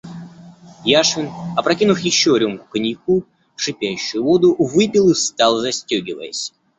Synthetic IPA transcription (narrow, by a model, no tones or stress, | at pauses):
jaʂɨnɐpɾɐkʲinʊfjɪɕːoɾʲumkʊ̥kənʲɪjku | ʂɨpʲæjʉɕːʊjʊvo̞d̪ʊvɨpʲilˠɨst̪ɑlˠzɐsʲtʲɵɡʲɪvə̰jɪ̰sʲ